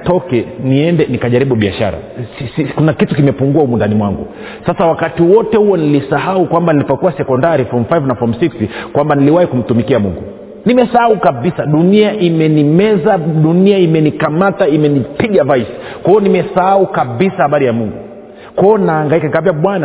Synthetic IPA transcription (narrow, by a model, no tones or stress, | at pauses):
tɔkɛniɛndɛnikaʄaɾiɓuɓia̰ʃa̰ɾa̰sisikunakitukimɛpuŋɡuaumundanimwaŋɡṵ | sasawakatiwɔtɛhuwɔnilisaɦaukwambanilipɔkuasɛkɔndaɾifɔmfajvnafɔmsikskwambaniliwahikum̩tumikiamuŋɡu | nimɛsahaukaɓisaɗuniaʔimɛnimɛzaɗuniaimɛnikamataimɛnipiɠavajsi̥kwaɔnimɛsahaukaɓisahaɓaɾijamuŋɡu | kɔɔnaːŋɡaikakaviaɓwana